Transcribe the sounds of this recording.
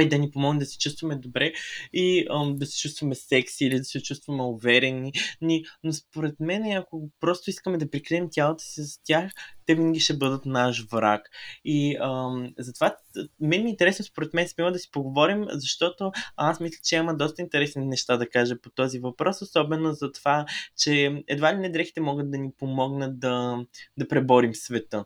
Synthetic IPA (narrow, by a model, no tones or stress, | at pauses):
id̪ɐnipomɔɡnmd̪ɐsɛ̥t͡ʃust̪vɐmɛd̪obɾɛiəd̪ɐsɛ̥t͡ʃust̪vɐmɛsɛksiilid̪ɐsɛt͡ʃust̪vɐmɛovɛɾɛnininospoɾɛt̪mɛnɛɐkopɾɔst̪oiskəmɛd̪ɐpɾikɾɛɛmtʲalˠot̪ə̥sizɐt̪ʲaxt̪ɛvinəɡʲiʃt̪ɛbɤd̪ət̪naʃvɾa̰kiəzɐt̪ovamɛnɛmiːnt̪ɛɾɛsnospoɾɛt̪mɛnsmiməd̪ɐsi̥poɡovɔɾimzɐʃt̪ɔt̪oasmislʲə̥t͡ʃɛimɐd̪ɔst̪əint̪ɛɾɛsninɛʃt̪ad̪ɐkaʒɛpot̪ɔzivɐpɾɔsosɔbɛnozɐt̪ovat͡ʃɛɛd̪valinɛd̪ɾɛxi̥t̪ɛmɔɡət̪̚d̪ɐnipomɔɡnət̪̚d̪ɐd̪ɐpɾɛbɔɾimsvɛt̪ɤ